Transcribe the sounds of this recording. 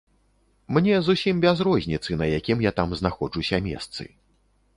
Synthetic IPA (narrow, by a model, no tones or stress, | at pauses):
mnʲɛzusʲimbʲazɾɔzʲnʲit̪sɨnɐjakʲimjat̪amznaxɔd͡ʐusʲɐmʲɛ̰st̪sɨ̰